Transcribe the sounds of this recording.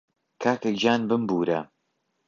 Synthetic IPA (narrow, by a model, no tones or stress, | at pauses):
kʰaːkekd͡ʒaːnbɨmbuːɾɐ